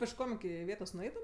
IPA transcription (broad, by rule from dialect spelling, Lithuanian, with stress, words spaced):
pʲɪʃˈkoːm ɪˈkʲɪ ɪˈʋʲeːtoːs nʊˈɛɪtʊm